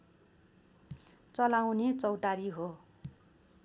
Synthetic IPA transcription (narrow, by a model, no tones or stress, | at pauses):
t͡sʌlawnet͡sʌwʈaɾiɦo